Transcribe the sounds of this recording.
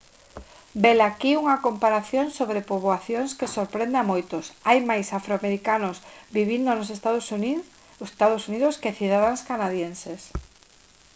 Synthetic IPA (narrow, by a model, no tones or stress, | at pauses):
belakiuŋakompaɾaθjoŋsoβɾepoβwaθjoŋskesoɾpɾẽnd̪eamojt̪osajmajsafɾoameɾikanʊsbiβind̪onosest̪aðs | t̪aðosuniðʊskeθiðaðaŋskanaðjenses